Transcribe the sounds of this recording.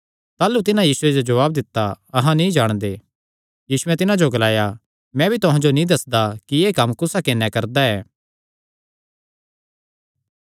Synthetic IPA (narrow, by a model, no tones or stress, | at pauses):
t̪aːlut̪ɪnajiːsʊed͡ʒod͡ʒɐʋaːb̚d̪ɪt̪ːaɐɦãnĩd͡ʒaːɽ̃d̪eː | jiːsʊɛt̪ɪnãd͡ʒoɡɐlaːja | mɛ̃ːbʱit̪ʊɦãd͡ʒonĩd̪ɐsd̪akieːkɐmkʊsakenɛkɐɾd̪aɛː